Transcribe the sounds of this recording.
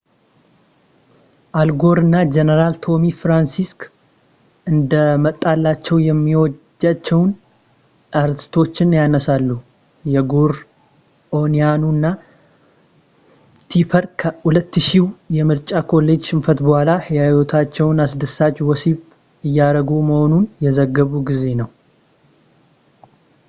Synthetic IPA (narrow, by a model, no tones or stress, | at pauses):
ʔalɡo̞ɾɨnːad͡ʒenəɾalt̪ʰo̞mifɾansisk | ʔɨnd̪əmət̪ʼːalːat͡ʃːɛwjɛmːiwɔd͡ʒːat͡ʃːɛwn | aɾt̪ʰi̥st̪ʰo̞t͡ʃːɪnjanəsalːu | jɛɡoɾ | ʔonijanunːa | t̪ʰipʰəɾkʰəhulət̪ːʃiwjɛmɨɾt͡ʃʼakʰo̞lːe̞d͡ʒʃɪɱfət̪bəhʷalahijawot̪ʰat͡ʃːɛwnasd̪əsat͡ʃːwɔsiβ | ɨjːaɾəɡuməho̞nunjɛzəɡːəβuɡize̞nəw